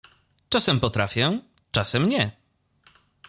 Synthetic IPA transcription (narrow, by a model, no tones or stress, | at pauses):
t͡ʂasɛmpɔt̪ɾafʲjɛ | t͡ʂasɛmɲɛ